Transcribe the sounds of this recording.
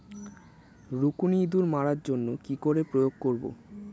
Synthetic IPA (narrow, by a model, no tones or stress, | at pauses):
ɾukunid̪uɾmaɾaɾd͡ʑonːokikoɾepɾojoɡ̚koɾbo̰